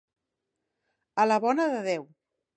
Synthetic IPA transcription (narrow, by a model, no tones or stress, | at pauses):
ələβɔnəðəðɛw